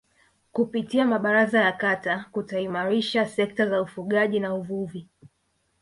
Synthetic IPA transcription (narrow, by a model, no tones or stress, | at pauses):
kupitiamaɓaɾazajakatakutaimaɾiʃasɛk̚tazaufuɠaʄinauvuvi